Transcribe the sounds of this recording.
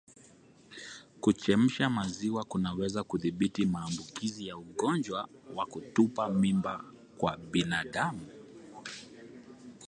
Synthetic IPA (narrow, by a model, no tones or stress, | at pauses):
kut͡ʃɛm̩ʃamaziwakunawɛzakuðiɓitimaːmbukizijauɠɔnd͡ʒwawakutupamimba | kwaɓinaɗamu